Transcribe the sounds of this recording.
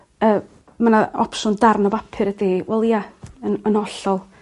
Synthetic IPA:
əː | manaɔ̰psʊndarnɔvapʰɨɾədeːwɛlˠiaənənɔɬɔlˠ

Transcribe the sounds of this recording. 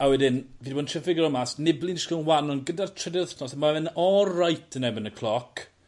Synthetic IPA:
awɛdɪnviːdbɔːdntʰəfɪɡɔɾɔmasnɪblˠɪnɪʃkənwanɔnɡədartʰrədətʰnɔsamavɛnɔrajtʰənɛbənəkʰlˠɔkʰ

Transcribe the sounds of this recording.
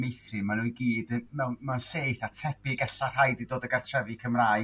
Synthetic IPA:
mejθrɨmaɾɪiɡiːdmɛmanɬejθatʰɛpɪɡɛɬar̥ɦajdidoːdəɡartʰrɛvɨkʰəmraːj

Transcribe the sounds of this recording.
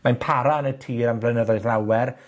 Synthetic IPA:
manpʰaɾaənətʰiːɾamvlˠɛnəðɔɨðlˠawɛr

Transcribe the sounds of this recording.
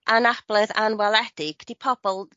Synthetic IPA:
ʔanab̥lˠɛða̰nwalˠɛdɪɡ̥d̥ipʰɔb̥ɔlˠ

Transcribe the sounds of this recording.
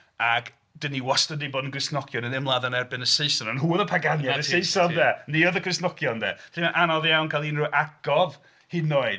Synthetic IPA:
aɡ | d̥əniwɔstəniboːdn̩ɡrɪsnɔkʰjɔnənɪmlˠaðanɛrbɪnəsejsɔnənɦuːðəpʰaɡanjadəsejsɔndɛːniɔðəkʰrɪsnɔkʰjɔndɛ̰ːtʰimɛnʔanɔðjawnkʰalˠinruʔaɡ̥ɔv | hinoːɨd

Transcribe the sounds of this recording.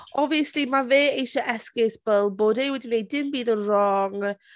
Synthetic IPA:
ʔɔviəslimaveːejʃəʔɛskɪsb̥əlˠboːdejwɛdinejdɪmbiːðənrɔŋ

